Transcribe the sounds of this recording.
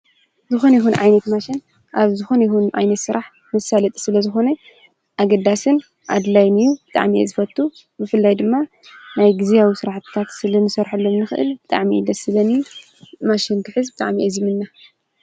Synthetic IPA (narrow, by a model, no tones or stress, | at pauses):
zɨxo̞nɐjxunʕa̰jnɐt̪maʃɪn | ʔaβzɨxo̞nɐjxunʕa̰jnɐt̪sɨɾʔaħ | mɨsalɐt̪ʼsɨlɐzɨxo̞nɐ | ʔaɡɐd̪asɨn | ʔa̰d̪lajnɨjubɨt̪ʼa̰ʕmiḛzɨfɐt̪ʰːu | bɨfɨlːajd̪ɨmːa | najɡɨzijawisɨɾaħt̪t̪ʰat̪sɨlɐnɨsɐɾħalːomnɨxɨʔɨ̰lbɨt̪ʼa̰ʕmid̪ɐsɨlɐniju | maʃink̪ʰɨħɨzbɨt̪ʼa̰ʕmiʔɐzimɨnːa